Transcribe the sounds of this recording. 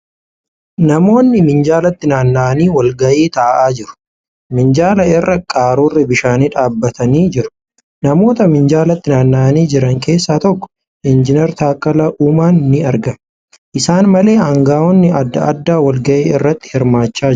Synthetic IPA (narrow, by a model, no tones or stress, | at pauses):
nɐmo̞ːnːɪmɪnd͡ʒaːlɐt̪ːɪnaːnːaʔɐniːwɐlɡɐʔeːt̪aːʔaːd͡ʒɪɾʊ̥ | mɪnd͡ʒaːlɐɪrːɐkʼaːɾuːrːɪbɪʃaːniːᶑaːbːɐt̪ʰɐniːd͡ʒɪɾʊ̥ | nɐmo̞ːt̪ɐmɪnd͡ʒaːlɐt̪ːɪnaːnːaʔɐniːd͡ʒɪɾɐŋkʰe̞ːsːaːt̪ɔkːɔ̥ | ʔɪnd͡ʒɪnɛɾt̪aːkʼːɐlɐʔuːmaːnːɪɐɾɡɐ | ʔɪsaːnmɐle̞ːhɐŋɡaːɔnːɪɐd̪ːɐ̰ɐ̰d̪ːaːwɐlɡɐʔeːɪrːɐt̪ːɪ̥hɪɾmaːt͡ʃːaː